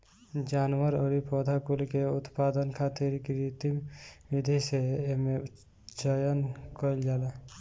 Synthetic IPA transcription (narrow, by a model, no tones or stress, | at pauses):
d͡ʒanʋəɾəɾipɔd̪ʱakulkeut̪pad̪ənkʰat̪iɾkɾit̪imʋid̪ʱiseeme | d͡ʒəjənkɔild͡ʒaːla